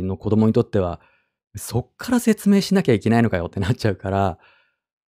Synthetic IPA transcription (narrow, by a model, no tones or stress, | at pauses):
no̞ko̞d̪o̞mo̞ɲ̟it̪o̞t̪ːe̞β̞a̰ | meso̞kʰːaɾase̞t͡sɨme̞ːɕinakʲaikʲe̞naino̞kajo̞t̪ːe̞nat̚t͡ɕaɯ̟kaɾa